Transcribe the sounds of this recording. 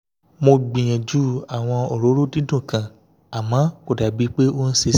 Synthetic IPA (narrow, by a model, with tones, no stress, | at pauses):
mo˧ɡ͡bĩ˨j̃ɛ̃˨d͡ʒu˦a˨w̃ɔ̃˧o˨ɾo˨˦ɾo˦dĩ˦dũ˦˨kã˨ | a˨mã˨˦ko˨da˨bi˨˦k͡pe˦o˦n̩˦se˧